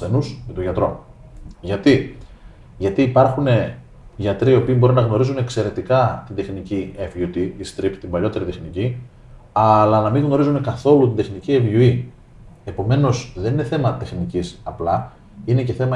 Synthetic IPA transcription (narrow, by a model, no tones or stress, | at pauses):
enusmet̪uʝɐt̪ɾo̞ | ʝɐt̪i | ʝɐt̪iːpɐɾxune̞ | ʝɐt̪ɾiio̞piːbo̞ɾinɐɣno̞ɾizunekse̞ɾe̞t̪ikɐt̪ind̪e̞xnicievjut̪iist̪ɾipt̪imbɐʎo̞t̪e̞ɾit̪exnici | ɐlɐnɐmiŋɣno̞ɾizune̞kɐθo̞lut̪ind̪e̞xnicievʝui | e̞po̞me̞no̞sðe̞nine̞θe̞mɐt̪e̞xnicisɐplɐ | ine̞ce̞θe̞mɐ